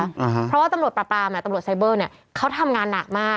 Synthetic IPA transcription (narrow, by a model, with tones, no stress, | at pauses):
ɾɔ˦˥waː˥˩t̪a˧mɾu˨˩t̪̚ɾaː˧˩pɾaː˧mʔa˨˩t̪a˧mɾu˨˩ə˩t̪̚sa˧˥jbɤː˥˩ni˥˩ɐ | kʰa˦˥wt̪ʰa˧mŋaː˧nːa˨˩k̚maː˥˩